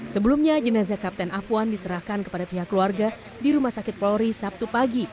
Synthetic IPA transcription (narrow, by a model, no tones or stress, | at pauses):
səbəlumɲad͡ʒənazakap̚t̪ɛnapuandisəɾahkankəpadapiɦakːluarɡa | diɾumahsakɪt̪̚plɔɾisap̚t̪upaɡi